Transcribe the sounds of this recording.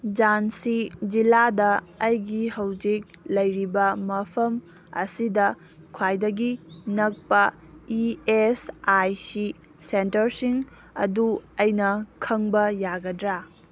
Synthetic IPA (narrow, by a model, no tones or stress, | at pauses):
d͡ʒansid͡ʒiladɐːjɡihɐwd͡ʒik̚lɐjɾibɐmɐpʰɐm | ɐ̰sidɐ | kʰwajdɐɡinɐk̚pɐ | iesajsi | sentɐɾsiŋ | ɐ̰duɐjnɐkʰɐŋbɐjaɡɐdɾa